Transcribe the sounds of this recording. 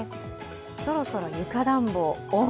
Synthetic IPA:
so̞ɾo̞so̞ɾo̞jɯ̟kad̪ãmboo

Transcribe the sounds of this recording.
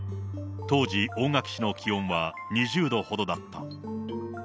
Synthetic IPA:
t̪o̞ːʑiʔõ̞ŋɡakɯ̟̥ɕino̞kʲʰiõ̞ɰ̃βa | ɲ̟iʑɨːd̪o̞ho̞d̪o̞d̪at̪ːa

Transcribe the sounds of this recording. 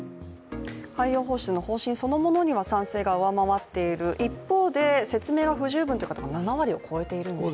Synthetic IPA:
haijo̞ːɦo̞ːɕi̥t͡sɨno̞ho̞ːɕĩɰ̃so̞no̞mo̞no̞ɲ̟iβ̞asãɰ̃se̞ːɡaɯ̟βamaβat̪ːe̞iɾɯ̟ʔipːo̞ːd̪e̞se̞t͡sɨme̞ːɡaɸɯ̟ʑɨːbɯnt̪oiɯkat̪oɡananaβaɾʲio̞kʰo̞e̞t̪e̞iɾɯ̟no

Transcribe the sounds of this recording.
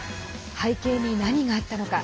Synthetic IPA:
haike̞ːɲʲinaɲ̟iɡaːt̪ːano̞ka̰

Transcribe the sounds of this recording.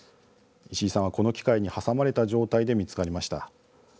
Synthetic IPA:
iɕiːsãako̞no̞kʲi̥kaiɲ̟ihasamaɾe̞t̪aʑo̞ːt̪aid̪e̞mʲit͡sɨ̥kaɾʲimaɕi̥t̪a̰

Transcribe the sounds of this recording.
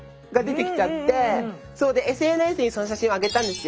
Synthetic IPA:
ɡad̪e̞t̪e̞kʲi̥t͡ɕat̪ːe̞ | so̞ːd̪e̞esɨe̞nesɨɲ̟iso̞no̞ɕ̬aɕĩɰ̃oaɡe̞t̪ãnd̪e̞sɨjo

